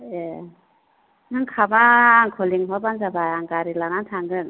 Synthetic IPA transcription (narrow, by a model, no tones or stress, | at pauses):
e | nɯŋkʰabaːŋkʰɔliŋɦɔbanzabajaŋɡaɾilanantʰaŋɡɯn